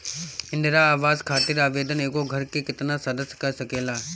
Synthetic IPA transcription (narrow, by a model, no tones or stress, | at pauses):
ɪ̃nd̪ɾaaːʋaːzkʰaːt̪ɪɾaːʋeːd̪əneːkoɡʱɐɾkekɪt̪nasɐd̪əskɐsɐkeːlaː